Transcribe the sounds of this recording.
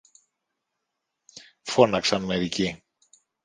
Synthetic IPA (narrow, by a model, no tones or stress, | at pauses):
fo̞nɐksɐnme̞ɾici